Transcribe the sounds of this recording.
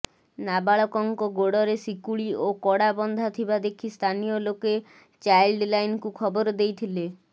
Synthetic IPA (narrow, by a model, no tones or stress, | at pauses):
nabaɭɔkɔŋkɔɡoɽɔɾesikuɭiokɔɽabɔnd̪ʱat̪ʰibad̪ekʰist̪ʰanijoloke | t͡ʃajlɖlajnkukʰɔboɾd̪ejt̪ʰile